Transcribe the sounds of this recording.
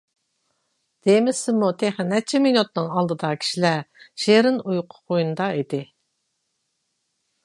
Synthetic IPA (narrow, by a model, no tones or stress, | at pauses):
d̪̥emɪsɪmut̪ʰeχnɛt͡ʃʰɛminut̪̚nɨŋɑlˠd̪ɨd̪ɑkʲʰi̥ʃilæʃeɾɪnujqʰʊ̥qʰojunɨd̪ɑid̪ɪ